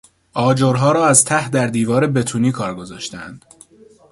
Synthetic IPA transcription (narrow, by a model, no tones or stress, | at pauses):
ʔɒːd͡ʒoːɾɦɒːɾɒːæzt̪ʰæhd̪æɾd̪iːvɒːɾe̞be̞t̪ʰuːniːkʰɒːɾɡo̞zɒːʃt̪ænd̪̥